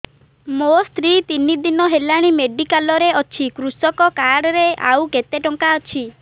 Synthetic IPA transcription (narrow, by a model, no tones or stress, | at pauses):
most̪ʰɾit̪inid̪inɔɦelaɽ̃imeɖikalɔɾeɔt͡ʃʰikɾusɔkɔkaɽɔɾeʔa̰wket̪eʈɔŋkaɔt͡ʃʰi